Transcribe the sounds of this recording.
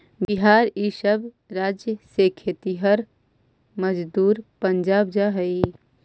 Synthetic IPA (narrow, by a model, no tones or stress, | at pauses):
bɪɦaːɾiːʃəb | ɾaːd͡ʒjəsekʰeːt̪iɦɐɾ | məd͡ʒd̪uːɾpə̃ɲd͡ʒaːb̚d͡ʒaːɦəi